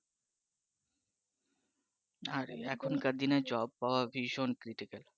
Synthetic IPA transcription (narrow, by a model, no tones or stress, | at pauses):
aɾɛkʰonkad̪inad͡ʑɔbpaoabʱiʃonkɾiʈikal